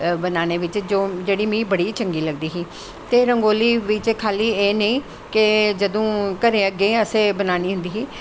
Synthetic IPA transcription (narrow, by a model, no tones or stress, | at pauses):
bənaːneːʋɪt͡ʃd͡ʒoːd͡ʒeːɽiːmĩːbəɽiːt͡ʃəŋɡiːləɡd̪iːɦiː | t̪eːɾəŋɡoːliːʋɪt͡ʃkʰaːliːeːnəĩː | kɪd͡ʒəd̪õːkəɾẽːəɡeːəsẽːbənaːniːɦʊ̃nd̪iːɦiː